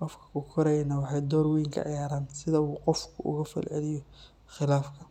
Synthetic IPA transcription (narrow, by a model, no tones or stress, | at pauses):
qɔfkʰɐ̥kʰʊkʰɔɾɛjnɐwɑħɑjd̪ɔːɾwiːŋkʰɐ̰ʕɪ̰jaːɾaːnsɪðɐuːqɔfkʰʊʔʊ̰ɣɐfɐ̰lʕɪ̰lɪjɔ | xɪlaːfkʰɐ